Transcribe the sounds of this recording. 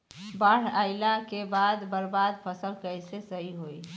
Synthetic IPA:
baːɽ̤aːɪlakebaːd̪bəɾbaːd̪pʰəsəlkəɪsesəɦiɦoːi

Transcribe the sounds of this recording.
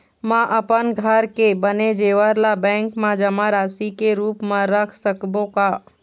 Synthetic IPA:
mãʔəpənɡʱəɾkebəned͡ʒeːʋəɾlabɛ̃ːŋkmãd͡ʒəmaɾaːsikeɾuːpmãɾəkʰsəkbõkaː

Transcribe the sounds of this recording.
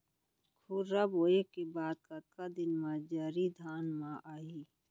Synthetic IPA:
kʰuɾɾaboːekebaːd̪̚kət̪̚kad̪ɪnmãd͡ʒəɾid̪ʱaːnmãʔaːi

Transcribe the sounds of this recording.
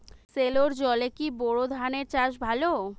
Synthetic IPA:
seloɾd͡ʑɔlekibɔɽod̪ʱaneɾt͡ɕaʃbʱalo

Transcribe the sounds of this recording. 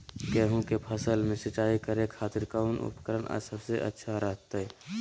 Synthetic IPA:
kɛːɦũkepʰəsəlmẽsət͡ʃaːikəɾẽkʰaːt̪ɪɾkaʊnʔʊ̰pkəɾənʔa̰səbseʔɐ̰tːʃʰaɾəɦt̪ə

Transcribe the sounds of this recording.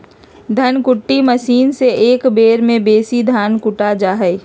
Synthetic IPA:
d̪ʱɐnkʊʈːiməʃiːnseeːkbeːɾmẽbeːsid̪ʱaːnkʊʈad͡ʒaːɦɛ

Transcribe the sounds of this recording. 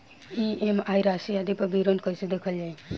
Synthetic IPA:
iemajɾasiad̪ipɐbiɾonkəjsed̪ekʰəljai

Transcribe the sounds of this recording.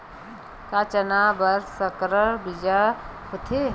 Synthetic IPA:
kat͡ʃənaːbəɾsəkɾəɾbid͡ʒahʊt̪ʰe

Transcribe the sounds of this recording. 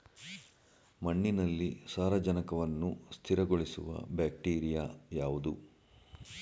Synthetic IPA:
mɐɳːinɐlːisaːɾɐd͡ʒɐnɐkɐʋɐnːust̪ʰiɾɐɡoɭisṵʋɐ̰baːk̚ʈiːɾijaːjaːʋud̪u

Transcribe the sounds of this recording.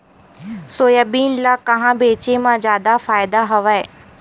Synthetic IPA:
soːjabiːnlaːkɐɦãbeːt͡ɕemãd͡ʑjaːd̪afaːɪd̪aɦɐʋae

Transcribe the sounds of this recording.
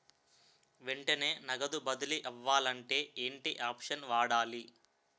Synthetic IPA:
ʋeɳʈɐne̞ːnɐɡɐd̪ubɐd̪uliʔɛʋːaːlɐɳʈe̞ːʔeːɳʈiʔaːpʂɐnʋaːɽaːli

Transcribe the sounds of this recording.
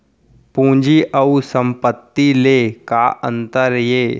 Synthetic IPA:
pũːd͡ʒiʔəusə̃mpət̪ːileːkaʔə̰̃nt̪əɾjeː

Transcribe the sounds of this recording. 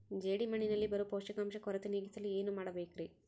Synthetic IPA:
d͡ʒeːɽimɐɳinɐlːibɐɾupoːʂɐkɐmʃɐkɔɾɐt̪iniːɡit̪ɐlːieːnumaːɽɐbeːkɾi

